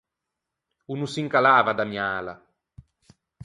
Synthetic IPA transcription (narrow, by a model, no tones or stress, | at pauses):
unusiŋkalaːvad̪amjaːla̰